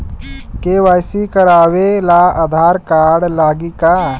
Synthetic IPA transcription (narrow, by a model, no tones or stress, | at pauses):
keʋaːjsikəɾaːʋelaəd̪ʱaːɾkaɽlaːɡika